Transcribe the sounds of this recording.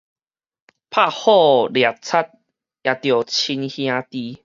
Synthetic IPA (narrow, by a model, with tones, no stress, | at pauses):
pʰa˥˧hɔ˥˧˨lja˨˩t͡sʰa˦t̪̚ | ja˨˩t̪jo˨˩t͡ɕʰi˧nhj̃ã˧t̪i˧